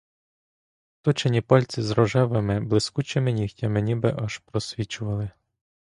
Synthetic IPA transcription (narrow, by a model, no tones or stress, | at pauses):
t̪ɔt͡ʃenʲipɔlʲt͡sʲizɾɔʒɛʋemɪblˠɪskut͡ʃemɪnʲixtʲɐmenʲibɪʔɐʒpɾɔsʲʋʲit͡ʃʊʋɐlˠɪ